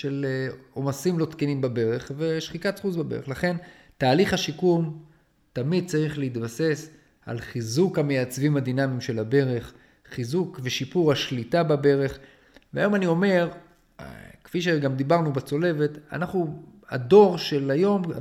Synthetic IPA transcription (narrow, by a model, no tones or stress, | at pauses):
ʃelo̞masimlo̞t̪kenimbabe̞ʁe̞χve̞ʃχitatχuzbabe̞ʁeχlaχe̞n | taːliχhaʃikum | t̪amid̪̚t͡saʁiχleit̪base̞s | a̰lχizukhamejat͡svimad̪inamimʃe̞labe̞ʁe̞χ | χizukveʃipuʁaʃlitababe̞ʁe̞χ | veajo̞manio̞me̞ʁ | kfiʃ̬eɡamd̪ibaʁnubat͡so̞le̞ve̞t̪a̰naχnua̰do̞ʁʃe̞lajo̞m